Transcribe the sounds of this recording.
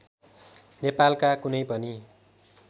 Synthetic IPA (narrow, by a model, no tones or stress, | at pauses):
nepalkakunʌjpʌni